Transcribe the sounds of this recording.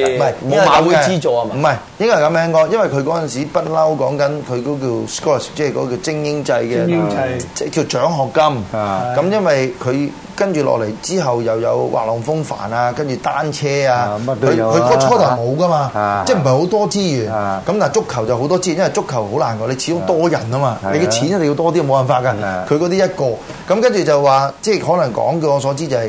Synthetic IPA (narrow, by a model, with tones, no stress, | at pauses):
ɐ˨˩ja˨˧u˧i˥t͡ʃo˨˧m̩˨˩mɐ˨j | jɪ˥ŋkɔː˥˩˨kɐ˨˥mɛː˨˥ŋkɔː˧jɐ˥nwɐ˨jkʰɵ˧ɥkɔː˨˥t͡sɐ˨nsiː˨˥pɐ˥t̚lɐ˥wkɔː˨˥ŋkɐ˨˥nkʰɵ˨˧kɔː˨˥k̬iː˧wskɔ˥˩st͡sɛː˥˨kɔ̰ː˨˧˥ki˧wt͡sɪ˥ŋjɪ˥ŋt͡sɐ˧jkɛː˧t͡sɛ˥˩ki˧wt͡ʃœː˨˥ŋɦɔː˨˩kːɐ˥mkɐ˨˧˥mjɐ˥nwɐ˨jkʰɵ˨˧ɥ | kɐ˥nt͡ʃyː˨˩lɔ̰˨k̚le˨˩jt͡siː˥ɦɐ˨wjɐ˨wjɐ̰˨˧wwa̰ː˨k̚lɔ˨˩ŋfʊ˥ŋfa̰ː˨˩naː˧kɐ˥nt͡ʃyː˨t̪aː˥nt͡ʃʰɛː˥aː˧ɵ˨˧kʰɵ˨˧˥kʰɔ˥t͡ʃʰɔː˥tɐ˨wmo˨˧wkɐ˥maː˧t͡sɛː˥˩m̩˨˩ɦɐ˨˩jho˨˥wt̪ɔː˥t͡siː˥jyː˨˩nkɐ˨˥mt̪aː˨˩jt͡sʊ˥kʰːɐ˨˩wt͡sɐ˨˩wɦo˨˥wt̪ɔː˥t͡siː˥˨njɐ˥mɐ˨˩t͡ʃʊ˥kʰːɐ˨˩who˨˥wlaː˨˩nkɔː˧le˨˧jt͡ɕʰi˧t͡ʃʊ˥ŋt̪ɔː˥jɐ˨˩nɐ˥maː˧le˨˧jkɛ˧t͡ɕʰiː˨˥njɐ˥t̪ːji˧wt̪ɔː˥t̪i˥˨˩mo˨˧wɐ˨˩nfaː˧t̚kaː˧kʰɵ˧jkɔː˨˧t̪iː˥jɐ˥t̚kɔː˧ | kɐ˨˦mkɐ˥nt͡ʃyː˨˩t͡sɐ˨wwaː˨t͡sɛ˥˩ɦɔː˨˥lɐ˨˩ŋkɔ̰ː˨˥ŋki˧wŋɔː˨˧s̬ɔː˨˥t͡siː˥t͡sɐ˨ɐ˨˩j